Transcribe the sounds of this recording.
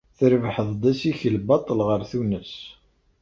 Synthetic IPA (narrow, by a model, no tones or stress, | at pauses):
θəɾvħəðˤd̪ˤæsiçəlbɑt̪ˤːəlʁəɾθunəs